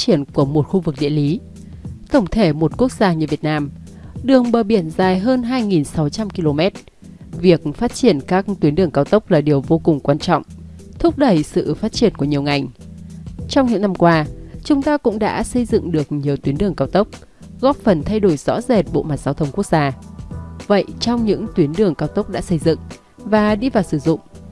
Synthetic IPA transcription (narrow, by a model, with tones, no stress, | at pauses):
t͡ɕi˧˩ənku˧˩əmo˨˩t̚xu˧vɨ˨˩k̚ɗḭ˧˨əli˨˦ | t̪ʰə˧˩wŋ͡mt̪ʰe˧˩mo˨˩t̚ku˦˥ək̚z̥aː˧ɲɨ˨˩vi˨˩ət̚naː˧m | ɗɨ˨˩əŋɓəː˨˩ɓi˧˩ənzaː˨˩jɦəː˧nɦaː˧jŋi˨˩nsa˨˦wt͡ɕa˧mki˧lo˧mɛ˦˥t̚ | vi˨˩ək̚faː˦˥t̚t͡ɕi˧˩ənkaː˦˥k̚t̪wi˨˦ənɗɨ˨˩əŋkaː˧wt̪ə˦˥wk͡p̚laː˨˩ɗi˨˩əwvo˧kʊ˨˩ŋ͡mkwaː˧nt͡ɕɔ̰˧˨wŋ͡m | t̪ʰʊ˦˥k͡p̚ɗə˧˩jsɨ̰˧˨faː˦˥t̚t͡ɕi˧˩ənku˧˩əɲi˨˩əŋa˨˩jŋ | t͡ɕɔ˧wŋ͡mɲɨ̰˧˥ŋna˧mkwaː˧t͡ɕʊ˨˦ŋ͡mt̪aː˧kʊ̰˧˥ŋ͡mɗa̰ː˧˥sə˧jzɨ̰˧˨ŋɗɨ˨˩ək̚ɲi˨˩əwt̪wi˨˦ənɗɨ˨˩əŋkaː˧wt̪ə˦˥wk͡p̚ | ɣɔ˦˥p̚fə˨˩nt̪ʰa˧jɗo˧˩jz̥ɔ̰˧˥ze˨˩t̚ɓo̰˧˨ma˨˩t̚za˨˧˦wt̪ʰə˧wŋ͡mku˦˥ək̚z̥aː˧ | və̰˧˨jt͡ɕɔ˧wŋ͡mɲɨ̰˧˥ŋt̪wi˨˦ənɗɨ˨˩əŋkaː˧wt̪ə˦˥wk͡p̚ɗa̰ː˧˥sə˧jzɨ̰˧˨ŋ | vaː˨˩ɗi˧vaː˨˩wsɨ˧˩zʊ̰˧˨ŋ͡m